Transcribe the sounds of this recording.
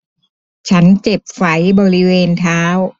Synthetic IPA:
t͡ɕʰa˦˥nt͡ɕe˨˩p̚fa˩˦jbɔː˧ɾi˦˥weː˧nt̪ʰaː˦˥w

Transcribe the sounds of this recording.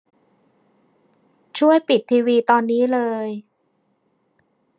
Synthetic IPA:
t͡ɕʰu˥˩əjpi˨˩t̪ʰːiː˧wiː˧t̪ɔː˧nːiː˦˥lɤː˧j

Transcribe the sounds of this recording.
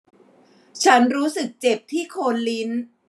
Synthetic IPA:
t͡ɕʰa˦˥nɾuː˦˥sɯ˨˩k̚t͡ɕe˨˩p̚t̪ʰiː˥˩kʰoː˧nli˦˥n

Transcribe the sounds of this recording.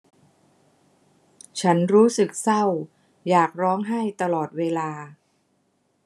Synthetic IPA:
t͡ɕʰa˦˥nɾuː˦˥sɯ˨˩k̚sa˥˩w | jaː˨˩k̚ɾɔː˦˥ŋɦa˥˩jt̪a˧lɔː˨˩t̪̚weː˧laː˧

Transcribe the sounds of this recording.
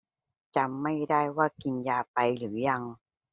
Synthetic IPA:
t͡ɕa˧mːa˥˩jdaː˥˩jwaː˥˩ki˧njaː˧pa˧jlɯː˩˦ja˧ŋ

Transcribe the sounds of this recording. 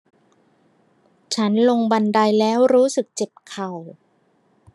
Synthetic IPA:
t͡ɕʰa˦˥nlo˧ŋba˧nda˧jlɛː˦˥wɾuː˦˥sɯ˨˩k̚t͡ɕe˨˩p̚kʰa˨˩w

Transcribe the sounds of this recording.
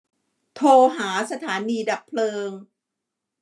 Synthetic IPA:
t̪ʰoː˧ɦaː˩˦sa˧t̪ʰaː˩˦niː˧da˨˩k̚pʰlɤː˧ŋ

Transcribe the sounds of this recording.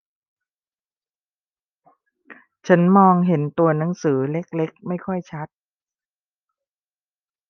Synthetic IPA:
t͡ɕʰa˦˥nmɔː˧ŋɦe˩˦nt̪u˧ɐna˩˦ŋsɯː˩˦le˦˥k̚le˦˥k̚ma˥˩jkʰɔ˥˩jt͡ɕʰa˦˥t̪̚

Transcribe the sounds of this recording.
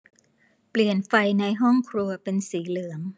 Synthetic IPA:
pli˨˩ənfa˧jna˧jɦɔ˥˩ŋkʰɾu˧ɐpe˧nsiː˩˦lɯ˩˦əŋ

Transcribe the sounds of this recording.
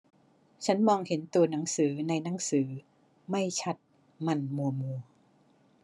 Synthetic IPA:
t͡ɕʰa˦˥nmɔː˧ŋhe˩˦nt̪u˧ɐna˩˦ŋsɯː˩˦na˧jna˩˦ŋsɯː˩˦ | ma˥˩jt͡ɕʰa˦˥t̪̚ | ma˧nmu˧ɐmu˧ə

